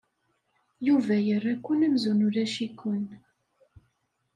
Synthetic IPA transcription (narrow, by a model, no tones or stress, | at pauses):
juvæjərːækʷːənæmzunʊɾæʃikʷːʊn